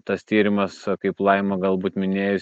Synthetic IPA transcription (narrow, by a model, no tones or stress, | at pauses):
t̪ɐst̪ʲiːɾʲɪmɐskɐɪplˠɐɪmɐɡɐlˠbuːt̪mʲɪnʲeːjʊs